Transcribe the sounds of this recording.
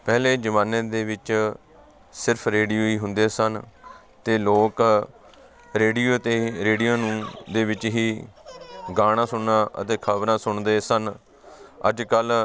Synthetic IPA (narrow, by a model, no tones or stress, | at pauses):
pɛːleːd͡ʒəmãːnẽːd̪eːʋɪt͡ʃ | sɪɾpʰɾeːɖijoːiːɦʊnd̪eːsən | t̪eːloːk | ɾeːɖiːoːt̪eːɾeːɖijãːnũːd̪eːʋɪt͡ʃɦiː | ɡaːɽ̃ãːsʊɳnãːʔə̰t̪eːkʰəbɾãːsʊɳd̪eːsən | ə̰d͡ʒkəl